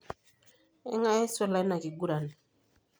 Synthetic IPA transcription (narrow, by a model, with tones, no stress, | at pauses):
ḛ˦ŋa˦e˦sɔ˦la˨˦i˦na˨ki˨ɡu˦ɾa˨n˨